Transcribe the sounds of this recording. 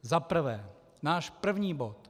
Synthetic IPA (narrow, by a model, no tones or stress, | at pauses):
zapr̩vɛː | naːʃpr̩vɲiːbot̪